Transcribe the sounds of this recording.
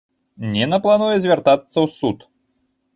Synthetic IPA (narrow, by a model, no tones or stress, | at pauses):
nʲɛnɐplˠanujɛzʲvʲart̪at̪sːɐwsut̪